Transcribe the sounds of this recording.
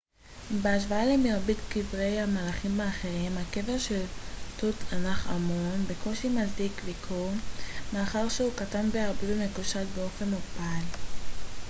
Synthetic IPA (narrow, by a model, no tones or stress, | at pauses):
beaʃ̬vaalemiʁbitkivʁe̞jhamalaχimaaχeʁimhake̞veʁʃeltutʰanaχa̰monbeko̞ʃimazdikvikʰomeːχaʁʃeukatanbeaʁbibemekuʃatbeo̞fe̞nupal